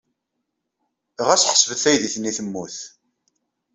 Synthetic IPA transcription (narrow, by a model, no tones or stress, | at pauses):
ʁæsħsvəθæjðiθniθəmːuθ